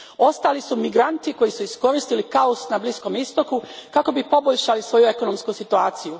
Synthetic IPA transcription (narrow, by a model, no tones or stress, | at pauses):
o̞st̪aːlisumiɡɾant̪iko̞jisuisko̞ɾist̪ilikaosnablisko̞mist̪o̞kukako̞bipo̞boʎʃalisʋo̞jue̞ko̞nomskusit̪uaːt̪siju